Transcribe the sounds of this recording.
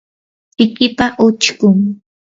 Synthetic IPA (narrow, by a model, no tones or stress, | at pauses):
pɪkɪpaʔʊt͡ʃkʊŋ